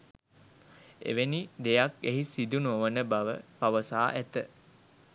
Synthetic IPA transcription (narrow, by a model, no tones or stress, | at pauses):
ḛʋenid̪ejakeɦisid̪unoʋənəbaʋə̰paʋəsaːʔæt̪ə